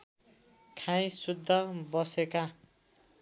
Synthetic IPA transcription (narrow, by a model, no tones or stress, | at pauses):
kʰãj̃sud̪ʱːʌbʌseka